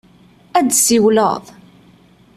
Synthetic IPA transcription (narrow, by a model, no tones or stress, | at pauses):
æd̪siwlə̰ðˤ